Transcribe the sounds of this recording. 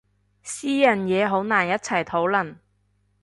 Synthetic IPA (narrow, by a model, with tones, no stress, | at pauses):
siː˥jɐ˨˩njɛː˨˧ɦo˨˥wnaː˨˩njɐ˥t̚t͡sʰɐ˨˩jt̪ʰo˨˥wlɐ˨˩n